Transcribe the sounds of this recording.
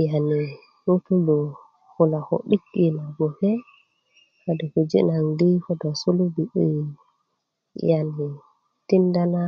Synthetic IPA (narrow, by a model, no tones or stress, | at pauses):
jani | nutubɔ | hulakɔ̰ɗikːinaɡɔhɛ | hadɛkud͡ʒɛ̰nandikɔdɔsulubiɗi | jani | tindana